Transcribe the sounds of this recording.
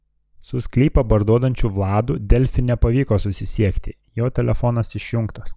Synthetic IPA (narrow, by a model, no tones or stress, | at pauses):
sʊsʲkʲlʲiːpɐbɐɾd̪uɔd̪ɐnʲt͡ʃʲuʋlˠɑːd̪ud̪ʲɛlʲfʲɪnʲɛpɐʋʲiːkoːsʊsʲɪsʲiɛkt̪ʲɪ | joːt̪ʲɛlʲʔɛfɔnɐsɪʃʲjʊŋkt̪ɐs